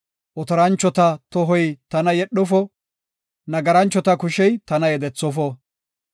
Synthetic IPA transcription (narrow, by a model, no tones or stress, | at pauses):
ʔɔt̪ɔɾɐnt͡ʃːɔt̪ɐt̪ɔɦɔjt̪ɐnɐjɛɗːɔfɔ | nɐɡɐɾɐnt͡ʃːɔt̪ɐkʊʃɛjt̪ɐnɐjɛd̪ɛt͡sːɔfɔ